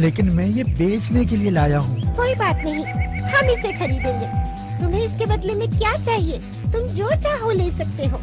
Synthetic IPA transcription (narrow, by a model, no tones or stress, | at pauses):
leːkɪnmɛ̃ːjebeːt͡ʃnekelielaːjaɦũːkoːibaːt̪nɐɦĩhɐmɪsexɐɾiːd̪ẽːŋɡeː | t̪ʊmɦẽɪskebɐd̪lemẽkjaːt͡ʃaːɦieː | t̪ʊmd͡ʒoːt͡ʃaːɦoleːsɐk̚t̪eɦoː